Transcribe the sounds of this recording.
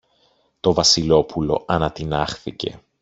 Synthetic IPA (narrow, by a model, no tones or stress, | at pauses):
t̪o̞vɐsilo̞pulo̞ɐnɐt̪inɐxθice̞̰